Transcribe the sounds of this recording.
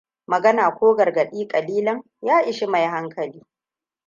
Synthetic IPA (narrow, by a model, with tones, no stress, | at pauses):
mɐ˨ɡɐ˦naː˨kʷoː˦ɡɐ˨rɡɐ˨ɗiː˦kʼɐ˨liː˦lɐ˦ŋ | jaː˦ʔɪ˨ʃi˦ma˨jɦa˦ŋkʰɐ˨liː˦